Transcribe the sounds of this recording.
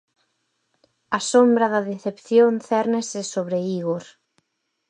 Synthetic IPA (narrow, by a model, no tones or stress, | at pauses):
ɐsombɾɐðɐðeθepθjonθɛɾnesesoβɾeiɣoɾ